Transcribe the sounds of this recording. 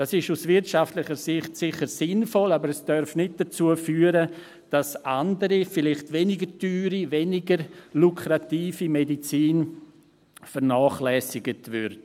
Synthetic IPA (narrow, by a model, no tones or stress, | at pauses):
d̥asɪʃusvɪɾtʃaftlɪχəɾsɪχtsɪχəɾsɪnfɔlabəɾɛsd̥œɾfnɪt̚d̥ɐt͡suəfyːəɾə | d̥asandəɾifɪlɪχtvɛnɪɡətyːɾivɛnɪɡəɾlukʰɾatiːfimedit͡siːn | fəɾnaːχlɛsɪɡətvʏɾd